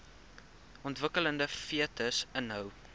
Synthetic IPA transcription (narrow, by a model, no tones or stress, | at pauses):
ʔɔntvəkələndəfiətəsənɦœw